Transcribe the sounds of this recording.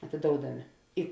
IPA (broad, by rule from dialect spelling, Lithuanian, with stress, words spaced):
ɐtʲeːˈdoːʊdɐmʲeː ɪ